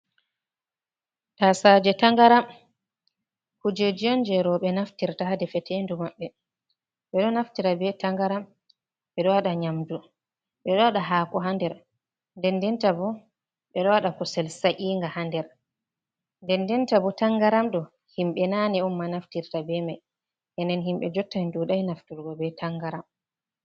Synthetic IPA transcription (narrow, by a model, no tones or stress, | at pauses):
tasad͡ʒɛtaŋɡaɾam | kud͡ʒed͡ʒiɔnd͡ʒɛɾɔɓɛnaftiɾtahadɛfɛtʰendumaɓːɛ | ɓɛɗɔnaftiɾabɛtaŋɡaɾam | ɓɛɗɔwaɗaɲamdu | ɓɛɗɔwaɗaɦaːkɔɦandɛɾ | ndɛndɛntabɔ | ɓɛɗɔwaɗakɔsɛlsaʔiːŋɡahandɛɾ | ndɛndɛntabɔtaŋɡaɾamɗɔ | himɓɛnanɛɔmːanaftiɾtabɛmaj | ʔɛndɛnɦimɓɛd͡ʒɔtːajnduɗajnaftiɾɡɔbɛtaŋɡaɾam